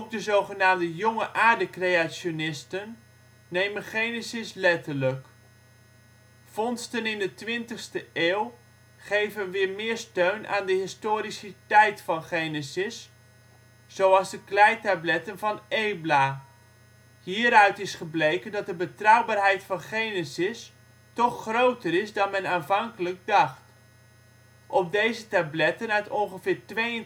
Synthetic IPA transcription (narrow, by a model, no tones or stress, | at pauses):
op̚dəzowχənaːmdəjʊŋəʔaːɹdəkrejasonɪstənː | ejmənχejnəsɪslɛtəɹlək | fɔnstənɪndətʋɪntəχstəʔeːwˠ | χejvənʋɪːɹmɪːɹstøɥnʔa̰ːndəɦɪstoːɾisətɛjtfɑnχejnəsɪs | z̥owɑlˠzdəklɛjtablɛtənvɑnejblaː | hiːɾœɥtɪsχəblejkəndɑt̚dəbətrɔwbaːrɦɛjtfɑnχejnɪsɪs | tɔχːrowtərɪsdɑnmɛnaːnvɑŋkələk̚dɑχt | ʔɔp̚dejzətablɛtənœɥtɔnχəvɪːrtʋejən